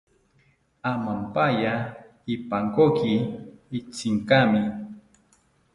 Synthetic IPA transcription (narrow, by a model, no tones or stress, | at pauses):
amampaja | ipaŋkokiː | t͡sɪŋkamɪ